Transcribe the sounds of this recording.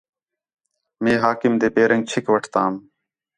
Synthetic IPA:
mẽːɦaːkɪmd̪eːpeːɾə̃ŋɡt͡ʃʰɪkʋəʈʰt̪aːm

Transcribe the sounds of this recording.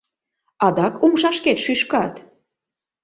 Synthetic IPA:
ɑd̪ɑkumʃɑʃket̪ʃyʃkɑt̪

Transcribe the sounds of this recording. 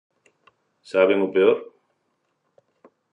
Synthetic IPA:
saβeŋupeoɾ

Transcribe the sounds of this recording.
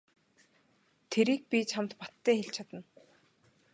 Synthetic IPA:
t̪ʰeɾiːk̚pʲit͡ɕʰamt̪pɔt̪ʰːæːxeɬt͡ɕʰat̪ə̆n

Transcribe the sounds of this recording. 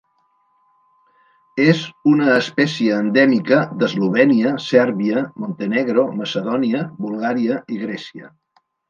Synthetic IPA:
ezunəːspɛsiəːnd̪ɛmikəd̪əzluβ̞ɛniəsɛɾβiəmont̪əneɣɾoməsəðɔniəbulˠɣaɾiəiɣɾɛsiə̰

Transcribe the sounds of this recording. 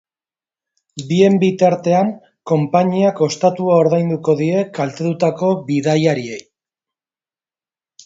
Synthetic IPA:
bie̞mbit̪aɾt̪e̞aŋ | ko̞mpaɲiako̞st̪at̪uao̞ɾðajnd̪uko̞ðiɾe̞kalt̪et̪ut̪ako̞βiðajaɾie̞j

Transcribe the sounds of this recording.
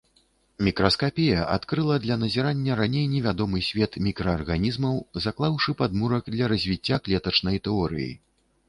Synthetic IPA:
mʲikɾɐskapʲejɐʔa̰t̪kɾɨlˠɐd̪lʲɐnɐzʲɛɾanʲːɐɾanʲejnʲɛvʲad̪ɔmɨsʲvʲɛt̪mʲikɾɐːrɣanʲizmɐwzaklˠawʂɨpad̪muɾɐkd̪lʲɐɾɐzʲvʲit͡sʲːaklʲɛt̪ɐt͡ʂnɐjt̪ɛɔɾɨ̰jḭ

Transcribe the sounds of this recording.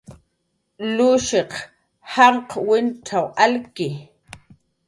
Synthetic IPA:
lʊʃeq | haɴqwɪnʈ͡ʂʰawalkɪ

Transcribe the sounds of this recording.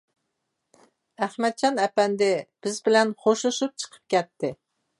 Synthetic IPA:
æχmɛt̪̚t͡ʃʰɑnɛpɛnd̪ɪb̥ɪzbɪlɛnχoʃuʃup̚t͡ʃʰə̥qʰə̥p̚kʲɛt̪ʰːɪ

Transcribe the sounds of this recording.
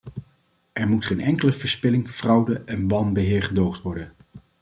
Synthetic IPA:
ʔɛɹmutχejnɛŋkələvəɹspɪlɪŋv̥rʌwdəʔɛnʋɑnbəɦɪːɹχədowχtʋɔɹdən

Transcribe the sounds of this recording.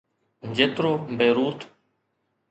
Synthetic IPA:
d͡ʒet̪ɾoːbeːɾuːt̪

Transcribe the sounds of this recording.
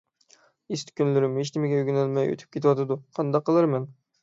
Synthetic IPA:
ist̪kʲʰynlyɾɪmheʃnɪmɪɡʲɛyɡʲynælmɛjø̰t̪ʰy̥p̚kʲʰet̪ʰwɑt̪ʰɨd̪uqʰɑnd̪ɑqːəlˠɨɾmɛn

